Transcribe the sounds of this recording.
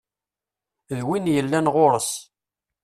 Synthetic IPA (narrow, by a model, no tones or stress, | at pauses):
ðwinjəlːænʁoɾəs